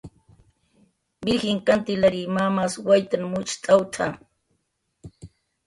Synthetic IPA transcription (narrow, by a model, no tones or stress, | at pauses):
bɪɾxɪŋkant̪ɪlaɾimamaswajt̪anmʊt͡ʃt̪ʼawt̪ʰa